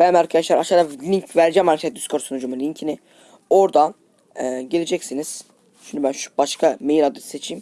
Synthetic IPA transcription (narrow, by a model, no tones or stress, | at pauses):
b̥ænmaɾkʰad̪aʃlˠaɾaʃaɾalʲiɲcvæɾd͡ʒɛmalʲfʲʰɛt̪̚d̪yskʰoɾsonud͡ʒumulʲiɲcʰini | o̞ɾd̪a | ɯɟe̞lʲed͡ʒɛcsiniz̥ | ʃind̪ybænʃu̥b̥aʃkʰamejiɾad̪ɯse̞t͡ʃʰiːm